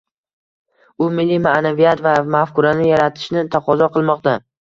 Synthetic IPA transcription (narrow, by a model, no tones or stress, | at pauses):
ʊmɪlːimaʔnavijat̪vamafkʊɾanɪjaɾat̪ʰɪ̥ʃnɪt̪ʰaqʰɒzɒqʰɨlˠmɒqt̪a